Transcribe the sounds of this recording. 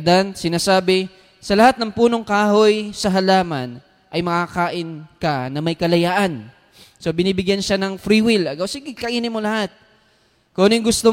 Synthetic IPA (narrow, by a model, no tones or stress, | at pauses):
d̪ansɪnaːsaːbɪ | sɐlɐhat̪̚nɐŋpuːno̞ŋkaːhojsɐɦɐlaːmɐn | ʔɐjmɐkakaːʔɪnkɐnɐmɐjkɐlɐjaːʔɐn | so̞bɪniːbɪɡjanʃanɐŋfɾiwɪlɐɡawsɪɡɪkɐʔiːnɪmolɐhat̪̚ | koːnɪŋɡʊst̪o